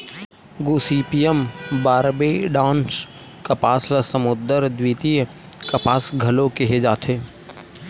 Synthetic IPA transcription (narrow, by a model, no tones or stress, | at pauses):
ɡuːsiːpijəmbaːɾbeɖãːns | kɐpaːsləsɐmʊd̪əɾd̪wiːt̪ij | kɐpaːsɡʱɐlõkeɦed͡ʒaːt̪ʰeː